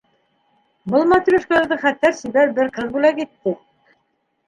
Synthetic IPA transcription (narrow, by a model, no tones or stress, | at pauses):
bɤ̆lˠmɑt̪y̆lɘ̆ʃkɘ̆læ̆ɾðɤχæt̪ːæɾsiβæɾbɘɾqɤðbulækit̪ːɘ